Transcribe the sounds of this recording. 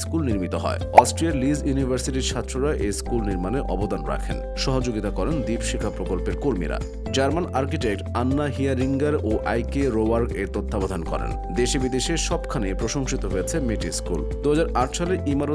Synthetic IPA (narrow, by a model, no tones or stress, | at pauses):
skulniɾmit̪oɦɔ̰eɔsʈɾiaɾlizjunibʱaɾsiʈiɾt͡ɕʰat̪ːɾoɾaʔejskulniɾmaneʔɔ̰bod̪anɾa̰kʰen | ʃɔɦod͡ʑoɡit̪akɔɾend̪ibʃikʰapɾokolpeɾkoɾmḭɾa̰ | d͡ʑaɾmanaɾkiʈek̚ʈanːaɦiaɾiŋɡaɾoʔajkeɾoaɾkeɾt̪ot̪ʰːabad̪ʱankɔ̰ɾḛn | d̪eʃebid̪eʃeʃɔbkʰanepɾoʃoŋʃit̪oɦojet͡ɕʰemeʈiskṵld̪uɦad͡ʑaɾaʈʃaleʔimaɾo